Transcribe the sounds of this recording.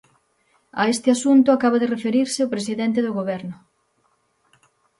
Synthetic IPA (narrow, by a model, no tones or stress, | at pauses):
ɐ̰est̪ɪasunt̪ʊakaβ̞aðɪrefeɾiɾsɪʊpɾes̬iðent̪̬ɪðʊɣoβ̞ɛɾnʊ